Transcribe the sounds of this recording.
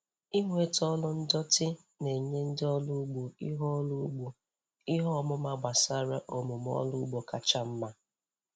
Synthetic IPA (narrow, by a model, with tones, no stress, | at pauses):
i˦ŋʷe˨tɔ˦lʊ˦n̩˦dɔ˦tɪ˦ | ne˨ɲe˦n̩˦dɪ˦ɔ˦lʊ˦ɡ͡bu˨i˦ɦɔ˦lu˦ɡ͡bu˨ | ɪ˦ɦɔ˦mʊ˦ma˦ɡ͡ba˨sa˦ɾa˦ʔo˨mʊ˨m˦ɔ̰˦lʊ˦ɡ͡bo˨ka˨t͡ʃa˦m̩˦ma˦